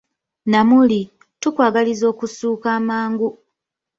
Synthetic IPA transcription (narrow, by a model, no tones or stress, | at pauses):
namuli | tukwaːɡalizo̞ːkusuːkaːmaːŋɡu